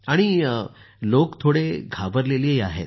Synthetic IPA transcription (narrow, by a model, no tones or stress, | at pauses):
aɽ̃i | lokt̪ʰoɽeɡʱabəɾleliːjaɦḛt̪̚